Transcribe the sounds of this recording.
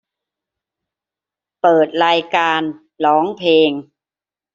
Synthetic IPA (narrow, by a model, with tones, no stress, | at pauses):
pɤː˨˩t̪̚ɾaː˧jkaː˧n | lɔː˩˦˥ŋpʰeː˧ŋ